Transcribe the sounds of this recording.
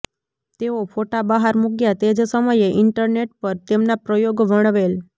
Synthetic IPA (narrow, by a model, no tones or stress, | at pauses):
t̪eofʰoʈabəɦaɾmuɡjat̪ed͡ʒsəməjeʔɪɳʈəɾneʈ̚pəɾt̪emnapɾəjoɡʋəɽ̃ʋel